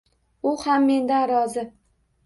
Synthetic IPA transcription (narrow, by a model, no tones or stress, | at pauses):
ʊhamːe̞nd̪anɾɒzɪ